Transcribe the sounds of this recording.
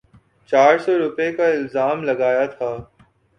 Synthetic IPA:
t͡ʃaːɾsɔːɾʊpekaɪlzaːmlɐɡaːjat̪ʰaː

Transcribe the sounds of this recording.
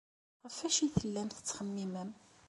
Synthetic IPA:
ʁəfæʃiθəlːæmθə̥t͡sːχəmːiməm

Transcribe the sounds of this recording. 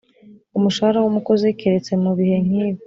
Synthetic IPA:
umuʃahaɾawumuko̞zekeɾet͡se̞muβihe̞ŋ̥iːβ

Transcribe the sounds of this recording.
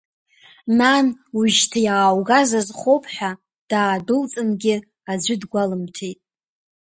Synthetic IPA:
nanuʒtʰajaːwɡazazχʷopʰʼħᶣa | d̥aːdɨlt͡sʼɨmɡʲɪ | ad͡ʒʷʏdɡʷalɨmtʰejtʼ

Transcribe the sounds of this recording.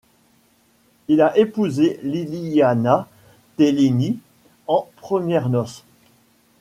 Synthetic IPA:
ilaʔepuzeliliana | t̪elini | ɑ̃pχəmjɛʁnɔs

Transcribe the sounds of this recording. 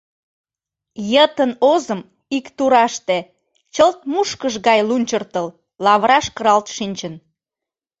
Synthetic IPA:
jət̪ənozəm | ikt̪uɾɑʃt̪e | t͡ɕəlt̪̚muʃkəʃɣɑjlunʲt͡ɕərt̪əl | lɑβɾɑʃkəɾɑlt̪ʃinʲt͡ɕən

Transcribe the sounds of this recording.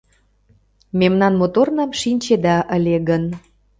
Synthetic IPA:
memnɑnmot̪ornɑmʃinʲt͡ɕed̪ɑʔəlʲeɣən

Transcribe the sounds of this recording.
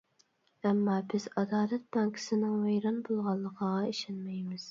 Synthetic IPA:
ɛmːɑːbɪzɑd̪ɑːlɛt̪̚bɑŋkʰɪ̥sɪnɪŋvæjɾɑnbolˠʁɑlˠːəqɑʁɑiʃɛnmɛjmɪz̥

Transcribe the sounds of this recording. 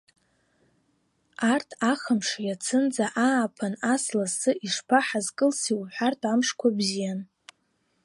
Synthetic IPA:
artʰaχəmʂjat͡sʰɨnd͡zaʔaːpʰanaslasɨiʂpʰaħazkʼɨlsiwħʷartʰʼamʂkʷʰabzijan

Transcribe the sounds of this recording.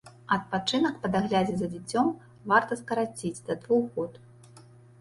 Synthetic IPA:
ɐt̪̚pat͡ʂɨnɐkpɐd̪aɣlʲad͡zʲizɐd͡zʲit͡sʲɔm | vart̪ɐskɐɾat͡sʲid͡zʲd̪ɐd̪vuɣɔt̪

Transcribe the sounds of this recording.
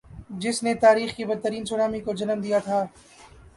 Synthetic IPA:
d͡ʒɪsnet̪aːɾiːxkibɐd̪̚t̪ːəɾiːnsʊɽaːmikod͡ʒɐnəmd̪ijat̪ʰaː

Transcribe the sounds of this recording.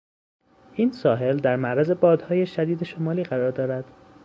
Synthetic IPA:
ʔiːnsɒːɦe̞ld̪æɾmæʔɾæze̞bɒːd̪hɒːje̞ʃæd̪iːd̪e̞ʃomɒːliːɢæɾɒːɾd̪ɒːɾæd̪̥

